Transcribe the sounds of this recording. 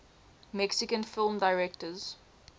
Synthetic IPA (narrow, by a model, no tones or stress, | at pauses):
mɛksɪkə̃nfɪlˠmdaɪɹɛk̚təz̥